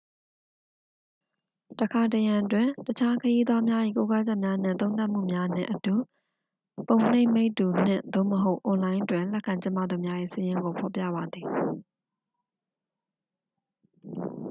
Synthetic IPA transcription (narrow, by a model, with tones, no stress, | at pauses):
təkʰa˨təjã˨twɪ̃˨tət͡ɕʰa˦kʰəji˦d̪wa˦mja˦ʔḭ˦˨ko˦ka˦d͡ʑɛ˦ʔmja˦n̥ɪ̰̃˦˨t̪õ˦ʊ̃t̪a˦ʔm̥ṵ˦˨mja˦n̥ɪ̰̃˦˨ʔətu˨ | põ˨ʊ̃n̥ẽ˦ɪme˦ɪtːu˨n̥ɪ̰̃˦˨d̪o̰˦˨məɦo˦ʊʔʊ̃˨lã˦ɪ̃ʔtwɪ̃˨lɛ˦ʔkʰːã˨ɲt͡ɕɪ̃˦ma̰˦˨d̪u˨mja˦ʔḭ˦˨səjɪ̃˦ŋɡo˨pʰɔ˨pjä̰˦˨ba˨d̪ði˨